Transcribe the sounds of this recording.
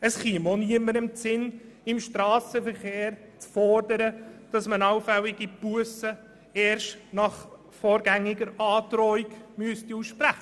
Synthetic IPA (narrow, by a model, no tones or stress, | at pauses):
əsχimoniəməɾɪmt͡sɪn | ɪmʃtɾɑːsəfəɾχeːɾ | t͡sfɔrdəɾəd̥ɑsmənɑwfɛwɪɡipuəsə | ɛːɾʃtnɑχ | fɔːɾɡæŋːiɡəɾɑːtɾɔiɡmyəstiusʃpɾæχə